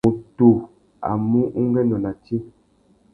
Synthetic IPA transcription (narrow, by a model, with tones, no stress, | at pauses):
u˨tu˨ | a̰˨mu˦ʔu˦ŋ˦ɡɛ˦nɔ˨na˨t͡ʃi˦